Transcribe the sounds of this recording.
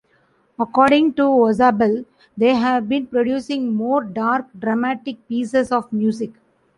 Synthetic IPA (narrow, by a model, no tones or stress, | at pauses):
ɐkɔːɾɖɪ̃ŋʈuɔzaːbəl | d̪eːɦæʋbĩːnpɾoɖjuːsɪ̃ŋɡmoːɾɖaːɾk̚ɖɾɐmæʈɪk̚piːsesɔːʋmjuːsɪk